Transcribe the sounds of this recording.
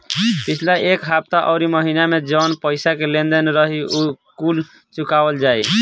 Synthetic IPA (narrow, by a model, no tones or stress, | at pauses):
pit͡ʃʰlaʔekɦap̚t̪aʔɔʊɾiməɦinamed͡ʒənpəjsakelẽnd̪ənɾəɦiukul | t͡ʃukabəld͡ʒaj